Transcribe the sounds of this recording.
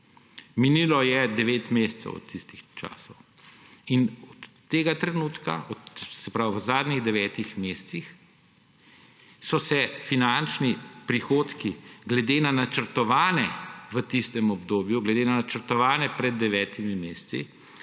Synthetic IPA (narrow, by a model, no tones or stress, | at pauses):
miniːlɔjɛd̪ɛʋeːt̪mest̪sɛ̰wɔ̰t̪ʰːist̪ixt͡ʃa̰ːsɔw | inɔt̪ːeːɡat̪ɾɛnuːt̪ka̰ʔɔsɛpɾaːwʋzaːd̪niɣd̪ɛʋɛːt̪ixmessix | sɔsɛfinant͡ʃnipɾixoːt̪kiɡlɛd̪enanat͡ʃəɾt̪ɔʋaːnɛʋət̪ist̪ɛmɔbd̪oːbjuɡlɛd̪enanat͡ʃəɾt̪ɔʋaːnɛpɾɛd̪̚ːɛʋɛːt̪imimeːssḭ